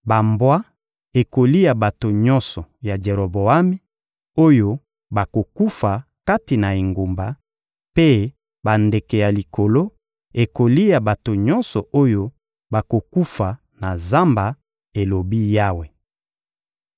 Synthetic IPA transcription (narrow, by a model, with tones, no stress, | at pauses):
ba˨mbwa˦ | e˨ko˨li˦ja˨ba˨to˨ɲɔ˦nsɔ˨ja˨d͡ʒe˨ʁo˨bo˨a˦mi˦ | o˦jo˦ | ba˨ko˨ku˦fa˨ | ka˦ti˨na˨e˨ŋɡo˨mba˨ | pe˦ | ba˨nde˨ke˨ja˨li˨ko˨lo˦ | e˨ko˨li˦ja˨ba˨to˨ɲɔ˦nsɔ˨ʔo˦jo˦ | ba˨ko˨ku˦fa˨ | na˨za˦mba˨ | e˨lo˨bi˦ja˦we˨